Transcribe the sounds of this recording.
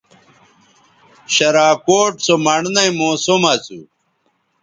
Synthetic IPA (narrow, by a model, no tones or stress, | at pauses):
ɕɐɾaːkoːʈsomɐɳnɐimoːsomɐt͡sṵ